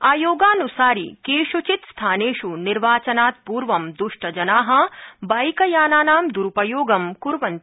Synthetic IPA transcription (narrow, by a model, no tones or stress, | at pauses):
aːjoːɡaːnusaːɾḭkeːʃut͡ʃit̪st̪ʰaːneːʃuniɾʋaːt͡ʃɐnaːt̪̚puːɾʋɐmd̪uʂʈɐd͡ʒɐnaːɦɐ̆baːjkɐjaːnaːnaːmd̪uɾupɐjoːɡɐmkuɾʋɐnt̪